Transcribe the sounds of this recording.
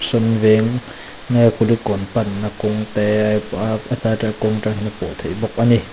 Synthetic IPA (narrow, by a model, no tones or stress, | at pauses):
sɔnvɛŋː | ajkulikɔnpanːakʊŋt̪ɛ | at̪atakɔŋʈ͡ʂahinapɔt̪ʰejbɔk̚ʔani